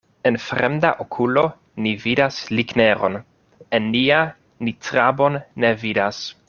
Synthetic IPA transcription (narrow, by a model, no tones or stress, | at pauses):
e̞nfɾemda̰ʔokʰulo̞ | nividaslikne̞ɾo̞̰n | enːia | nitɾabo̞nːe̞vidas